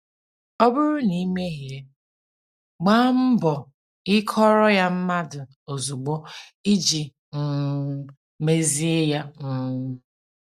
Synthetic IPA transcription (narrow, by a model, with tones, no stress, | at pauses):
ɔ˦bʊ˦ɾʊ˦ni˦me˦ɦje˦ | ɡ͡ba˦m̩˦bɔ˨ | ɪ˦kʰɔ˦ɾɔ˦ja˦m̩˦ma˦dʊ˨ | o˨zu˨ɡ͡bɔ˦i˦d͡ʒi˨ | m̩˨ | me˦zi˦e˦ja˦ŋ̩˦